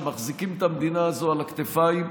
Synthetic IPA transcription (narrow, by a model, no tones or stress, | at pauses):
maχzikimet̪amed̪inaːzo̞alakt̪efaim